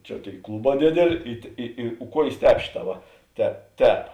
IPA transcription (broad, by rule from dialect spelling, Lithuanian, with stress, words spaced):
ˈt͡ʃʲɛ ˈtʲeːɪ ˈklˠʊˌbɑː ˈdʲeːdʲeːˌlʲeː ɪ tʲeː ˈɪ ɪ ˈkuɔjeːs ˈtʲɛːp ˈʃʲeːˌtɑː ˈʋɐ tʲɛ ˈtʲɛːp